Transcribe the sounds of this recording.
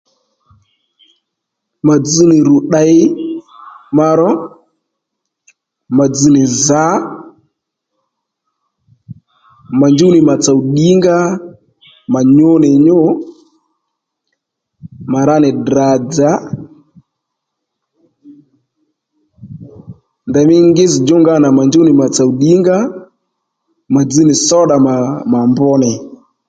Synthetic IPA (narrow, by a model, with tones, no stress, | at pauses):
ma˨d͡zi˦nɪ˨ɾu˨ɗa˦ɪ˦ | ma˧ɾɔ˦ | ma˨d͡zi˨nɪ˨za˨˦ | ma˨nd͡ʒu˦nɪ˨ma˨t͡sa˨wɗi˦ŋɡa˦ | ma˨ɲo˦nɪ˨ɲo˦ | ma˨ɾa˦nɛ˨dɾa˨d͡za˨˦ | nda˨mi˦ŋɡi˦zi˨d͡ʒu˦ŋɡa˦na˨ma˨nd͡ʒu˦ni˨ma˨t͡sa˨u˨ɗi˦ŋɡa˦ | ma˨d͡zi˦ni˨sɔ˦ɗa˨ma˨ma˨mbɔ˦nɛ˨